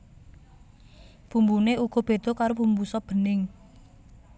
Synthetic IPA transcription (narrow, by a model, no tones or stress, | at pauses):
pumbuneuɡ̥ɔ̤b̥e̤d̪̥ɔ̤kaɾopumbusɔb̥ə̤nɪŋ